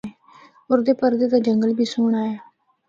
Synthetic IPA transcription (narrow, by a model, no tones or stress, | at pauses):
oːɾd̪eːpəɾd̪eːd̪aːd͡ʒəŋɡəlbʱiːsʊːɳaːjaː